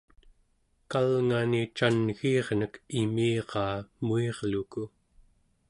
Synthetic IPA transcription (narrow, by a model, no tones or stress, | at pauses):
kalŋanit͡ʃanɣiːʁnəkimiːʁɑːmueʁluku